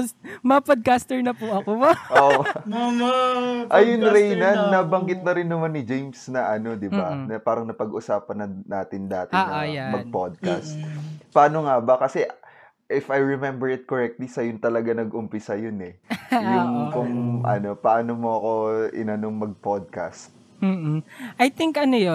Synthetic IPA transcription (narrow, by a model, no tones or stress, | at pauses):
mɐpod̪̚kast̪ɛɹnɐpʊɐkooʔo | ʔɐjʊnɾɛjnɐnːabɐŋɡɪt̪̚nɐɾɪnːɐmanːɪd͡ʒejmsnɐʔɐno̞d̪ɪbanɐpaːɾɐŋnɐpɐɡʔʊsaːpɐnɐnaːt̪ɪnd̪aːt̪ɪnɐmɐɡ̚pod̪̚ka̰st̪̚pɐʔaːno̞ŋabɐkɐsɛʔ | ʔɪfɐjɹɛmɛmbɛɹɪt̪̚koɹɛk̚t̪lisɐjʊnt̪ɐlɐɡanɐɡʔʊmpɪsɐjonɛjʊŋkʊŋʔɐ̰no̞pɐʔaːnomoʔɐko̞ʔɪ̰nɐnoŋmɐɡ̚pod̪̚ka̰st̪̩̚ː | ʔɐjt̪ɪŋkʔɐnojo